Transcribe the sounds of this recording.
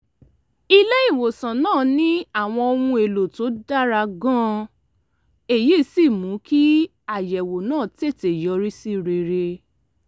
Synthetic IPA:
i˦le˦i˦˨wo˨sã˨nãː˦˨nĩ˦a˦˨w̃ɔ̃˧õ˧ũ˧e˨lo˨to˨˦da˦ɾa˧ɡã˦ | e˦˨ji˦si˦˨mũ˨˦ki˦ | a˦˨jɛ˨wo˨nãː˦˨te˦˨te˨jɔ˨˦ɾi˦si˦ɾe˧ɾe˧

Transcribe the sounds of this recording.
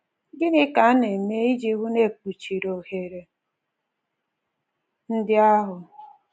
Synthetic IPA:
ɡɪ˦nɪ˦ka˨˦ne˨me˦i˦d͡ʒe˦ɣu˦ne˦˨k͡pu˨t͡ʃi˨ɾo˨he˨ɾe˨ | n̩˦dɪ˦a˦ɦʊ˨

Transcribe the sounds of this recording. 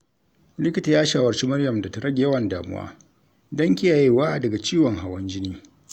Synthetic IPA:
lɪ˦kʲɪ˦ta˨jaː˦ʃaː˨wɐ˨rt͡ʃi˦mɐ˦rjɐ˨mda˨ta˦ɾɐ˦ɡʲe˨jɐ˦wɐ˨ndaː˨mʊ̰˦wa̰ː˦ | dɐ˦ŋkʲi˦ja˨je˨waː˦ʔdɐ˨ɡa˨t͡ʃiː˦wɔ˨ŋɦa˨wɐ˦nd͡ʒɪ˦niː˦

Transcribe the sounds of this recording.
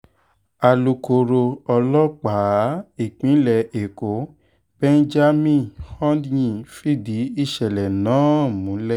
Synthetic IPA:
a˨lu˧ko˨ɾo˧ɔ˧lɔ˦k͡pa˨˦i˦˨k͡pĩ˨˦lɛ˨e˨ko˨˦ | b̥ɛ̃˦n˦d͡ʒa˦mĩ˦˨hɔ̃˦dɲĩ˦˨fi˦di˨˦i˦˨ʃɛ˨lɛ˨nãː˨˦mũ˨˦lɛ˦

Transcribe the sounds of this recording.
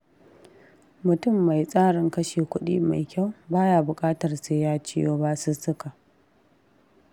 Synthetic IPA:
mʊ˨tʊ˦˨mːa˨jsʼaː˦ɽɪ˨ŋkɐ˦ʃeː˨kʷʊ˦ɗḭː˦ma̰˨jkʲa˦˨wbaː˦jaː˨bʊ˨kʼaː˦tɐ˨rse˦jaː˦t͡ʃɪ˦joː˦ba˦su˦sʊ˦ka˨ʔ

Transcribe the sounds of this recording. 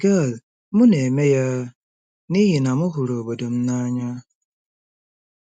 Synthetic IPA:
ɡe˦˨l | mʊ˦ne˨me˦ja˦ | ni˦ɦi˨na˨mʊ˦ɦʊ˨ɾo˨bo˨do˨m̩˦na˦ɲa˦

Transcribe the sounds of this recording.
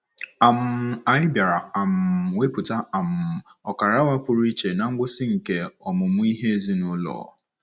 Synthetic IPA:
a˨m˦a˨ɪ˦bja˨ɾa˨a˨m˨we˦pʊ˨ta˦a˨m˨ɔ˨ka˨ɾa˦wa˦pʊ˨ɾi˦t͡ʃe˨na˨ŋ̩˦ɡʷʊ˦sɪ˦ŋ̩˨ke˨ɔ˨mʊ˨mʊ˦i˦ɦe˦zi˦nʊ˦lɔ̰ː˨

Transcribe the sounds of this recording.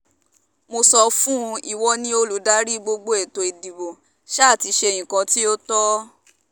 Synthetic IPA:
mo˧sɔ˧fũ˦˧i˦˨wɔ˧nĩ˧˦o˧lu˨˦da˦ɾi˦ɡ͡bo˧ɡ͡bo˧˦e˨to˧e˨di˨bo˨ | ʃa˦˨ti˨˧˦ʃe˧e˧˨j̃ĩ˨kã˧ti˦o˦tɔ˦

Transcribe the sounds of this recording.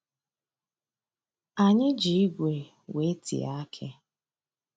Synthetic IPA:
a˨ɲɪ˦d͡ʒi˦i˦ɡʷe˨ | we˨˦tʰḭ˨a̰˦a˦kʰe˦

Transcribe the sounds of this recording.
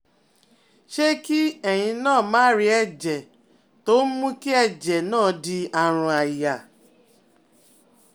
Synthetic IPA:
ʃe˦ki˦ɛ˨j̃ĩ˧nãː˦˨mãː˦ɾi˧˦ɛ˦˨d͡ʒɛ˨ | to˨˦mũ˦ki˦ɛ˦d͡ʒɛ˨nãː˦˨˧di˧a˨ɾ̃ũ˧a˨ja˨

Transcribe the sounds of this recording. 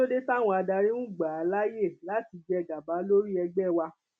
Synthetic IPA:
o˦de˦ta˦˨w̃ɔ̃˧a˧da˧ɾĩ˦nũ˦ɡ͡ba˨a˨˦la˦je˦˨la˨˦ti˧d͡ʒɛ˧˨ɡa˨ba˨˦lo˦ɾi˦ɛ˧ɡ͡bɛ˦˨wa˧

